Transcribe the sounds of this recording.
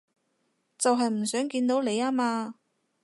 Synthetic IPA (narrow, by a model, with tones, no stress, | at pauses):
t͡sɐ˨wɦɐ˨jm̩˨˩sœː˨˥ŋkiː˧nt̪o˨˥wle˨˧jaː˥maː˧